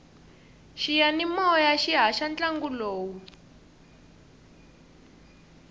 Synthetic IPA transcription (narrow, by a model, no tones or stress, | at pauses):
ʃijanimɔjaʃiɦaʃant͡ɬʼaŋɡuloːwu